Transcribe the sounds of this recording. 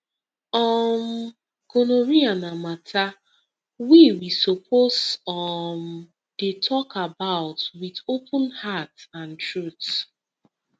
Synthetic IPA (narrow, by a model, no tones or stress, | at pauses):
ɔm | konoɹianamatʰa | wiwisopʰosɔm | d̥etʰɔkabaʊtwiðopʊ̃nhatãntɹut